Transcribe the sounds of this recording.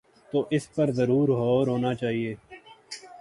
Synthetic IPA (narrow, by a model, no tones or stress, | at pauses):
t̪oːʔɪspəɾzəɾuːɾɦoːɾɦoːnaːt͡ʃaːɦieː